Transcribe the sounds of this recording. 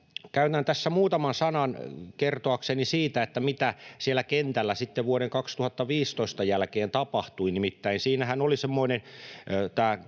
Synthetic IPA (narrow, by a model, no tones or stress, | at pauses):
kæynænt̪æsːæmuːt̪ɑmɑnsɑnɑnkert̪oɑksenisiːt̪æet̪ːæmit̪æsielːækent̪ælːæsit̪ːeʋʋuoɾeŋkɑkst̪uhɑt̪ːɑʋiːst̪oist̪ɑjælkeːnt̪ɑpɑht̪uinimit̪ːæinsiːnæhænolisemːoinent̪æː